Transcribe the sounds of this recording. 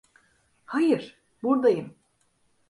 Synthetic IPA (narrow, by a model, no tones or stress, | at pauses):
hajɨɾ | buɾd̪ajɯm